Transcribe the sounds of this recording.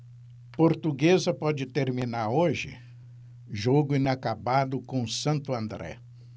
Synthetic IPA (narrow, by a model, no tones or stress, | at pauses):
poɾt̪uɡezɐpɔd͡ʒɪt̪eɾminaɾoʒɪ̰ | ʒoɡʊĩnakabad̪ʊkõsɐ̃nt̪ʊɐ̃nd̪ɾɛ̰